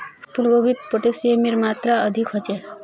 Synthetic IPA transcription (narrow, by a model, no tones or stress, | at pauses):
pulɡobit̪̚poʈesjemiɾmat̪ɾaəd̪ʱikɦɔt͡ʃe